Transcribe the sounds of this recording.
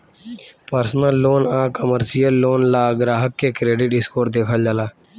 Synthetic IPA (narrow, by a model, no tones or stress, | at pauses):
pəɾsnəlːoːnaːkəməɾsijəlːoːnlaːɡɾaːɦəkːeːkɾeːɖɪʈɪskoːɾd̪eːkʰəld͡ʒalaː